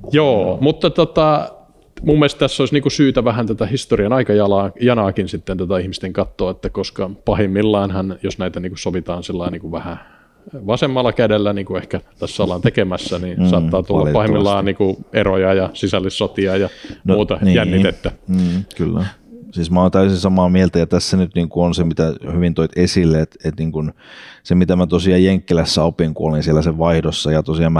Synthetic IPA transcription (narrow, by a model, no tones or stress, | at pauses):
joːmut̪ːɑt̪ot̪ɑ | mumːiest̪t̪æsːoisniːŋkusyːt̪æʋæhænt̪ot̪æhist̪oriɑnɑikɑjɑlɑːjɑnɑːkinsit̪ːent̪ot̪ɑihmist̪eŋkɑt̪ːoːet̪ːækoskɑpɑhimːilːɑːnhɑnjosnæit̪æniːŋkusoʋit̪ɑːnsilːɑiniːŋkuʋæhæ | ʋɑsemːɑlːɑkædelːæniːŋkuehkæt̪æsːɑlːɑnt̪ekemæsːænisɑːt̪ːɑːt̪ulːɑpɑhimːilːɑːnniːŋkuerojɑjɑsisælːisːot̪iɑjɑnouːt̪ɑnijænːit̪et̪ːæm̩ːkylːæ̰siːsmæoˑːnt̪æysinsɑmɑːmielt̪æjɑt̪æsːænyt̪niːŋkuonsemit̪æhyʋint̪oit̪esilːeet̪et̪niːŋkunsemit̪æmæt̪osiɑjjeŋkːilæsːæopiŋkṵolinsielːˑæseʋʋɑihdosːɑjɑt̪osiɑːmæ